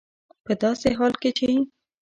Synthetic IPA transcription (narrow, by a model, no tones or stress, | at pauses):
pəd̪ɑseɦɑlket͡ʃe